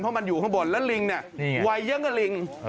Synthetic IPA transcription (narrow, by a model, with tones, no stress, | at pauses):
npʰɔ˦˥ma˧njuː˨˩kʰɔ˥˩bo˨˩nlɛː˦˥wli˧ŋni˧˩ə˧wa˧jːɯ˦˥ŋka˧˥˩li˧ŋ